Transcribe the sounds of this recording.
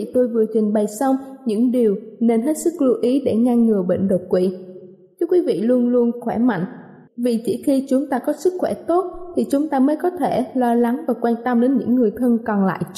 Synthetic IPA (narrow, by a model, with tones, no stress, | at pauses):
i˧˨t̪o˧jvɨ˨˩ət͡ɕï˨˩ŋ̟ɓa˨˩jsa˧wŋ͡mɲɨ̰˧˥ŋɗi˨˩əwne˧nɦe˦˥t̚sɨ˦˥k̚lu˧ʔi˨˦ɗe˧˩ŋaː˧ŋːɨ˨˩əɓḛ˧˨n̟ɗə˨˩t̚kwḭ˧˩˨ | t͡ɕɨ˨˦kwi˨˦vḭ˧˨lu˧ənlu˧ənxwɛ˧˩ma̰˧˨jŋ̟ | vi˨˩t͡ɕḭ˧˩xi˧t͡ɕʊ˨˦ŋ͡mt̪aː˧kɔ˨˦sɨ˦˥k̚xwɛ˧˩t̪o˦˥t̚t̪ʰi˨˩t͡ɕʊ˨˦ŋ͡mt̪aː˧məː˨˦jkɔ˨˦t̪ʰe˧˩lɔ˧la˨˦ŋvaː˨˩kwaː˧nt̪ə˧mɗe˨˦nɲɨ̰˧˥ŋːɨ˨˩əjt̪ʰə˧nkɔ˨˩nla̰ː˧˨j